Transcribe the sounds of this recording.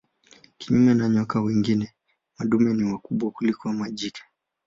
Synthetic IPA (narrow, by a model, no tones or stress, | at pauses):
kiɲumɛnaɲɔkawiŋɡinɛ | maɗumɛniwakuɓwakulikɔmaʄikʰḁ